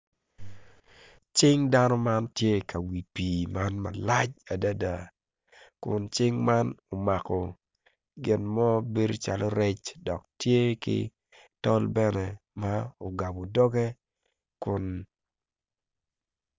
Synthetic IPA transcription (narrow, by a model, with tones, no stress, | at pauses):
t͡ʃɪ˦ŋda˦nɔ˦ma˦ntje˦kʰa˨wi˨pi˨ma˦nma̰˨la˦t͡ʃa˨da˦da˨ | kʊ˨nt͡ʃɪ˦ŋma˦no˨ma˨kɔ˨ | ɡɪ˨nmɔ˦be˦ɾo˦t͡ʃa̰˨lo˦ɾɛ˦t͡ʃdɔ˨k̚tje˦kɪ̰˦ | tɔ˦lbɛ˦nɛ˨ma˦o˨ɡa˨bo˨dɔ˦ɡɛ˦ | kʊ˨n